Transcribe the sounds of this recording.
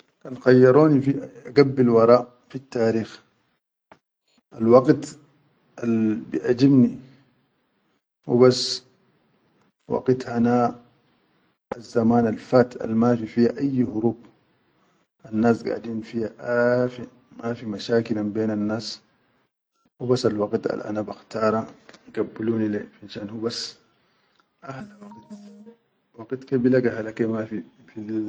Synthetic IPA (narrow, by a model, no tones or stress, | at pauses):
ʔanxɑjːɑɾˤoːnifiaɡabːilwɑɾˤɑːʔ | fit̪ːaːɾiːx | ʔalwɑɡt̪ | ʔalbiʔad͡ʒibni | wibasː | wɑ̰ɡt̪hana | azːamaːnalfaːt̪a̰lmafifihaʔajːhʊɾuːb | anːaːsɡa̰ʕd̪iːnfihaʔafi | mafimaʃaːkilambeːnanːaːs | hubasːalwɑɡt̪a̰lʔa̰nabaxt̪ɑːɾˤɑɡabːiluːnilefinʃaːnhubas | ʔahlawaɡt̪ | waɡit̪kebilaɡaɦalakemafifi